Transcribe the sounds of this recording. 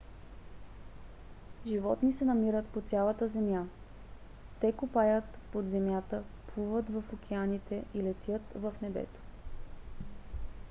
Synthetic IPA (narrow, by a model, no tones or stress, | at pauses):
ʒivɔt̪nisɛnɐmiɾət̪pot̪sʲjalˠət̪əzɛmja | t̪ɛkupajət̪pod̪zɛmjat̪əpʰlˠuvət̪vəfokʰʲɛanit̪ɛʔilɛt̪jət̪vəfnɛbɛ̰t̪o̥